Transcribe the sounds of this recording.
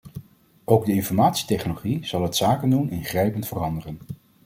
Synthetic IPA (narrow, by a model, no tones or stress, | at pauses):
ʔowɡdəɪnfɔɹmaːtsi̥tɛχnoloχiz̥ɑlˠɦətsaːkəndunɪnχrɛjpəntfərɑndərən